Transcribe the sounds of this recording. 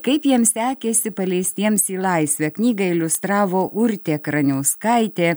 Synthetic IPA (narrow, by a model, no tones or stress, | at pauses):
kɐɪpjiɛmsʲæːkʲesʲɪpɐlʲɛɪst̪ʲiɛmsiːlˠɐɪsʲʋʲɛknʲiːɡɐɪlʲʊst̪ɾɑːʋoːʔʊɾʲt̪ʲeːkɾɐnʲɛʊskɐɪt̪ʲeː